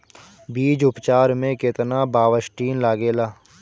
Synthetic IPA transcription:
biːd͡ʒʊpt͡ʃaːɾmẽkɪt̪nabaːʋəʃʈiːnlaːɡeːlaː

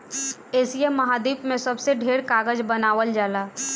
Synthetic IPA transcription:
eːsiemːəɦaːd̪iːpmẽsəbseɖʱeːɾkaːɡəd͡ʒbənaːʋəld͡ʒaːlaː

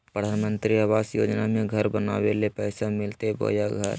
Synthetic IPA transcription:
pɾəd̪ʱaːnmə̃nt̪ɾiaʋaːsjo̰ːd͡ʒnamẽɡʱɐɾbənaːwelepɛːsamɪlt̪ebo̰ːjaɡʱə̰ɾ

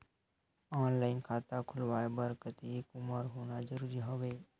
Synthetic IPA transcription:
aːnlaːɪnkʰaːt̪akʰʊlʋaːebəɾkət̪ikʊməɾɦoːnad͡ʒəɾuːɾiɦoʋeː

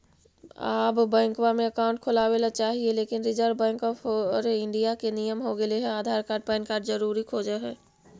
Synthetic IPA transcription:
a̰ːbbɛ̃ːŋkwamẽɐkaːʊ̃ɳʈ̚kʰʊlaːwelat͡ʃaːɦieleːkɪnɾɪd͡ʒəɾbɛ̃ːŋkɔːpʰːɾɪ̃ɳɖijakenijəmɦoɡɐleɦɛaːd̪ʱaːɾkaːɾɖ̚pɛːnkaːɾɖzɐɾuːɾikʰoːd͡ʒeɦɛː

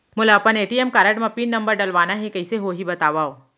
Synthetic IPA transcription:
mʊlaɐpəneːʈiemkaːɾəʈmɐpiːnːɐ̃mbəɾɖɐlʋaːnaɦɛkɐiseɦoɦibɐt̪aːʋaːoː

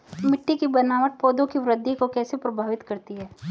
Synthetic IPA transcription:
mɪʈːikibɐnaːʋəʈ̚poːd̪õkiʋɾəd̪ːikokɛːsepɾɐbʱaːʋɪt̪kɐɾt̪iɦɛː

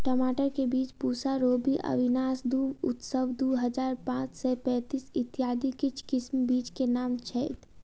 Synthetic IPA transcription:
ʈɔmaːʈəɾkebiːt͡ʃpuːsaɾoːbiʔə̰ʋɪnaːsd̪uːʊt̪səʋd̪uːɦəd͡ʒaːɾpãːt͡ʃsɛpɛ̃ːt̪iːsɪt̪ijaːd̪ikɪt͡ʃʰkɪsmbiːt͡ʃkenaːmt͡ʃʰɛːt̪

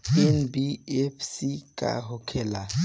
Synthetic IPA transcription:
ɛnbiɛfsikʼa̰ɦokʰɛla

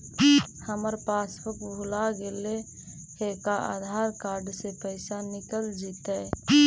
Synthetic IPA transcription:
həməɾpaːspəkbʱulaɡele | kekaʔa̰ːd̪ʱaːɾkaːɾɖsepəɪsanɪkəld͡ʒit̪ɛ

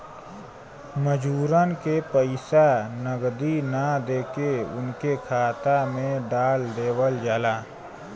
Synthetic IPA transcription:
məd͡ʒuːɾənkepəɪsanəɡd̪inad̪eːkeʊ̰nkekʰaːt̪amẽɖaːld̪eːwəld͡ʒaːlaː

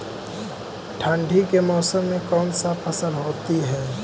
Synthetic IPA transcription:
ʈʰãːɳɖʱikemɔːsəmːẽkɔːnsapʰɐsəlɦoːt̪iɦɛː

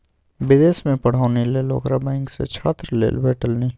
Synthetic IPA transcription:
bɪd̪eːsmẽpɐɽ̤aːʊnileːlo̰ːkɾabɛ̃ːŋksḛt͡ʃʰaːt̪ɾlḛːlbeːʈəlni

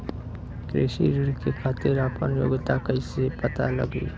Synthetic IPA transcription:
kɾḛːʃḭɾɪɾkekʰaːt̪ɪɾaːpənjo̰ːɡt̪akəisepət̪a̰lə̰ɡḭː

